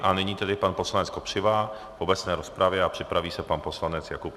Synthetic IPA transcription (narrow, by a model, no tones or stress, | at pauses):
ʔanɪɲiːt̪ɛdɪpanpo̞slanɛt͡skopr̝̥ɪva | vo̞bɛt͡snɛːɾo̞spɾavjɛapr̥ɪpɾaviːsɛpanpo̞slanɛt͡sjakup